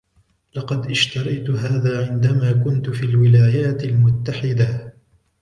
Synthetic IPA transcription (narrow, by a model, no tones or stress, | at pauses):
lɑqɑd̪ʔɪʃt̪ɑɾˤɑjt̪ʊɦaːðaːʕɪnd̪amaːkʊnt̪ʊfiːlwɪlaːjaːt̪almʊt̪ːaħɪd̪a